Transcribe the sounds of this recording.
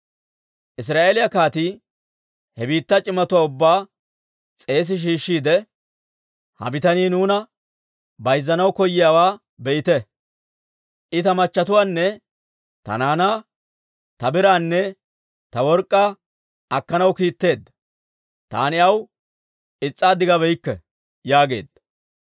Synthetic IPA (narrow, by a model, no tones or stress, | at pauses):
ʔɪs̬ɾaːʔeːlɪjɐkaːt̪i | hɛbiːt̪ːɐt͡ʃʼɪmːɐt̪ʊwaːʊbːaː | t͡sʼe̞ːs̬ɪʃ̬iːʃːiːd̪ɛ | hɐ̰bɪt̪ɐniːnuːnɐ | bɐjzːɐnɐwkɔjːɪjaːwaː | bɛʔɪt̪ɛ | ʔɪt̪ɐmɐt͡ʃːɐt̪ʊwaːnːɛ | t̪ɐ̰naːnaː | t̪ɐbɪɾaːnːɛ | t̪ɐwɔɾkʼːa | ɐkːɐnɐwkiːt̪ːe̞ːd̪ːɐ | t̪a̰ːnɪɐw | ɪt͡sʼːaːd̪ɪɡɐbɛjɪkːɛ̰ | jaːɡe̞̰ːd̪ɐ